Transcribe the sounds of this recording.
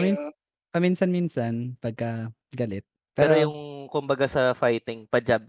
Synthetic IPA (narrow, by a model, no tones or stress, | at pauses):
ɐmin | pɐminsɐnminsɐnpɐɡ̚kɐ | ɡɐlɪt̪̚ | pɛːɾojʊŋkʊmbɐɡasɐfajt̪ɪŋpɐd͡ʒab̚